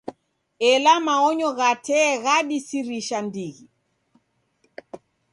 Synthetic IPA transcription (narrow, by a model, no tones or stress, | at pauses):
ɛlamaɔɲɔɣatɛːɣaɗisiɾiʃandiɣi